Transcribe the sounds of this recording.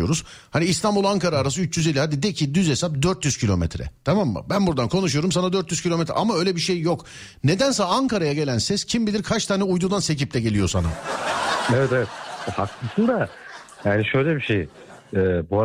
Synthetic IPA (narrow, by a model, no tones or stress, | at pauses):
oɾuz̥ | haniːst̪ambulˠaŋkaɾaːɾas̬ɯyt͡ʃjyzelʲːihad̪id̪ɛcʰid̪yze̞sap̚d̪øɾt̪jyzcʰilʲo̞̰mḛt̪ʰɾɛ̰t̪ʰamamːa̰bænbuɾd̪ankʰo̞nuʃ̬ujo̞ɾumsanad̪øɾt̪jyzcʰilʲomet̪ɾɛ̰ʔamaøjlʲebiʃe̞jːo̞k | ne̞d̪ænsaaaŋkaɾajaɟe̞lʲænsɛscʰimbilʲiɾkʰat͡ʃt̪ʰaːnɛujd̪ud̪anse̞cip̚t̪ʰɛɟe̞lʲijo̞̰sana̰ | evɛt̪evɛt̪̚haklɯsɯnd̪a | jaːniʃøjlʲɛbiʃej | ɛːbua